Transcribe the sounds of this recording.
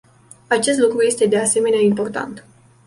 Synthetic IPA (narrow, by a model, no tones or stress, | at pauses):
at͡ʃe̞s̬t̪lukɾuje̞st̪e̞d̪e̞ase̞me̞neaimpo̞rt̪a̰nt̪